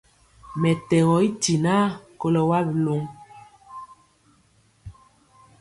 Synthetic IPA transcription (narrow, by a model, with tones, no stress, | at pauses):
mɛ˨tɛ˨ɣɔ˨i˦ti˨na˦ko˦lɔ˨wa˦blo˨˦ŋ